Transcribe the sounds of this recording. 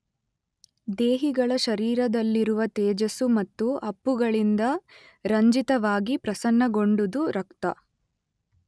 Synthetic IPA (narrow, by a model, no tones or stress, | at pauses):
d̪eːɦiɡɐɭɐʃɐɾiːɾɐd̪ɐlːiɾuʋɐt̪ɛːd͡ʒɐsumɐt̪ːuɐpːuɡɐɭind̪ɐ | ɾɐɲd͡ʒit̪ɐʋaːɡipɾɐsɐnːɐɡo̞ɳɖud̪uɾɐkt̪ɐ̰